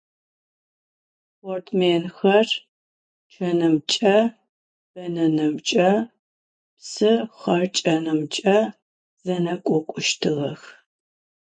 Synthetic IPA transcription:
portʰmeːnxɐr | t͡ʃʰɐnɨmt͡ʃʼɐ | b̥ɐnɐnɨmt͡ʃʼɐ | psɨχɐrt͡ʃʼɐnɨmt͡ʃʼɐ | z̥ɐnɐkʷʼɔkʷʼʊʃtʰɨʁɐx

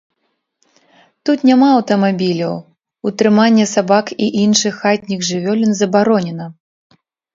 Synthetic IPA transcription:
t̪ut̪nʲamaɐwt̪ɐmabʲilʲɐw | ut̪ɾɨmanʲːɛsabakiʔinʂɨxːat̪ʲnʲiɣʐɨvʲɔlʲinzɐbaɾɔnʲɛnɐ

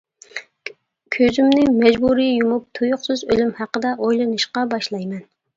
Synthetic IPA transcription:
kʲʰøzymnɪmɛd͡ʒbuɾijjumup̚t̪ʰujʊqsɨzølymhæqəd̪ɛʔojlˠɨnɨʃqɑbɑʃlˠɑjmɛn

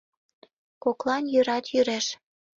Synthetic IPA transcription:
koklɑnjøɾɑt̪jyɾeʃ

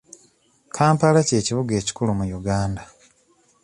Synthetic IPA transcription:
kʰaːmpalace̞ːciβuɡe̞ːci̥kulumujuɡaːnda

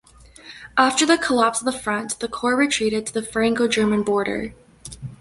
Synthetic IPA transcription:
ʔæftə˞ðɨkʰəlæpsʌvðəfɹʌ̃nðɨkʰɔɹɹitʰɹ̥iɾɨd̚tʰɨðɨfə˞ɛ̃ŋkoʊd͡ʒɜ˞mɨ̃nbɔɹɾə̰˞

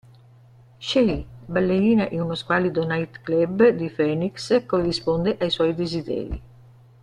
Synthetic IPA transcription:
ʃeibalːeɾiːnaʔɛunoskwaːlid̪onajt̪klɛbd̪ifɛnikskorːispond̪eʔajswɔjd̪ezid̪ɛ̰ːɾḭ

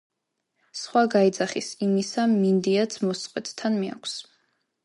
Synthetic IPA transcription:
sχwaɡaid̪zaχisimisamind̪iat̪sʰmɔst̪ʼqʼwɛt̪ʰt̪ʰanmia̰kʷʰs

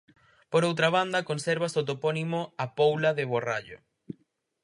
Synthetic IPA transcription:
poɾowt̪ɾaβ̞and̪ɐkonsɛɾβasot̪̬oponimoapowlaðeβora̰ʎo̰

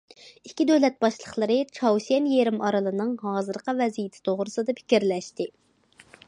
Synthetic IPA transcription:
ikʲːid̪øwlɛt̪̚bɑʃlˠəχlˠəɾɨt͡ʃʰɑwsɛnjeɾɪmʔɑɾɨlˠɨnɨŋɦɑːzɨɾqɑvɛzijɪt̪ʰɪ̥t̪ʰoʁɾɨsɨd̪ɑpʰɪ̥kʲiɾlɛʃt̪ɪ

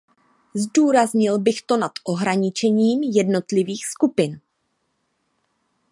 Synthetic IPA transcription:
zduːɾazɲɪlbɪxt̪o̞nat̪ʔo̞ɦɾaɲɪt͡ʃɛɲiːmjɛdno̞t̪lɪviːxskupɪn

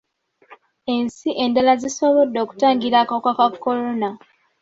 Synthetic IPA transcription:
e̞nsiʔe̞ndalazisoβo̞dːo̞ːku̥taːŋɡiɾakakwakakːoɾona

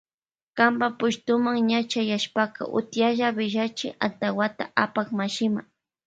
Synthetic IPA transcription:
kambapʊʃt̪ʊmaŋɲat͡ʃajaʃpaka̰ʔʊ̰t̪jaʒabɪʒat͡ʃɪa̰nt̪awat̪aʔapakmaʃɪma

